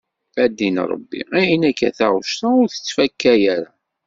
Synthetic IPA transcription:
æd̪ːin̰ɾˤə̰bːḭinækːæ̰θæʁʃt̪æʊɾθə̥t͡sːfækːæjæɾa

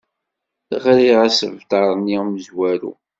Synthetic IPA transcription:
θχɾiʁæsəvt̪ɑɾˤniməzwæɾṵ

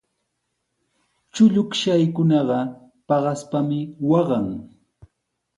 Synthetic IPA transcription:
t͡ʃʊʎʊkʃajkʊnɑɢɑ | pɑɢɑspamɪwɑɢɑŋ

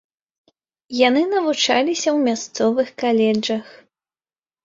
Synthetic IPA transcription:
janɨnɐvut͡ʂalʲisʲɐwmʲast̪sɔvɨxkalʲɛd͡ʐɐx

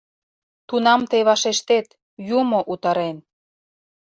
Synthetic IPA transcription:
t̪unɑmt̪ejβɑʃeʃt̪et̪ | jumoʔut̪ɑɾen

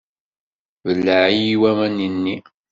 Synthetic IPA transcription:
vəlːəʕijiwæmæninːi

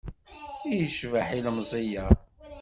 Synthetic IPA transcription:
ijəʃvaħilmzˤijæ

